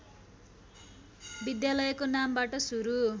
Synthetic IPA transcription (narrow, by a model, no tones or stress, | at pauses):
bid̪jalʌjkonambaʈʌsuɾu